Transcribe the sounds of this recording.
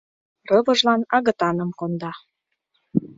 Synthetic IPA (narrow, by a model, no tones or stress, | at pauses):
rɤvɤ̆ʒlɑnɑɣə̆t̪ɑnə̆mkond̪ɑ